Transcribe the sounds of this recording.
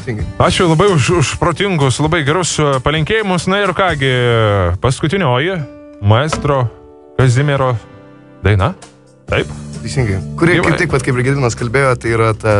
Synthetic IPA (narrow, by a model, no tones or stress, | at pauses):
t̪ʲesʲiŋɡɐɪɑːt͡ʃʲʊlˠɐbɐɪʊʃʊʃpɾoːt̪ʲɪŋɡʊslˠɐbɐɪɡʲɛɾʊspɐlʲɪŋʲkʲeːjɪmʊsnʊɪrkɑːɡʲɪpɐskʊt̪ʲɪnʲoːjɪ | mɐɛst̪ɾoː | kɐzʲɪmʲeɾoː | d̪ɐɪnɐ | t̪ɐɪpt̪ʲɐɪsʲɪŋɡɐɪkʊɾʲiɛkʲɪɪkʋɐt̪kɐɪpʲɪɾɡʲɪd̪ʲɪnoskɐlʲbʲeːjoːt̪ɐɪiːɾɐt̪ɐ